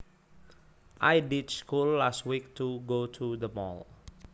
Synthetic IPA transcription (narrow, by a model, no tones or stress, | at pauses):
ʔajdidskulːast̚wik̚tʰuɡotʰudəmɔ̰l